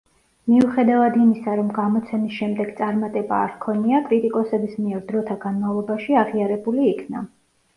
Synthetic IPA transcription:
miuχɛd̪avad̪imisaɾɔmɡamɔt̪sʰɛmisʃɛmd̪ɛɡt̪sʼaɾmat̪ʼɛba̰ːɾkʰɔniakʼɾit̪ʼikʼɔsɛbismiɛɾd̪ɾɔt̪ʰaɡanmavlˠɔbaʃiaʁiaɾɛbuliːkʰna

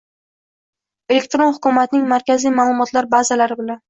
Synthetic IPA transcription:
e̞le̞k̚ʲt̪ɾo̞nhʊkʲʊmat̪ɪnɪŋmaɾkʲazijmaːlˠʊmɒt̪laɾbazalaɾɪbɪlan

